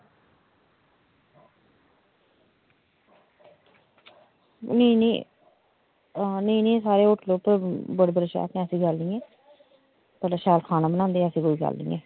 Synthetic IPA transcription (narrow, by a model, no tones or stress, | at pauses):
nĩːnḭː | niːnĩːsaːɾeːʊʈʰloːpəɾbəɽbəɾeʃa̰ːk̪ẽːəsĩːɡəlnĩːeː | pɛːlaːʃaːlkʰaːnãːbənãːnd̪ẽːəsĩːkoːiːɡə̰lːḭ̃ːeː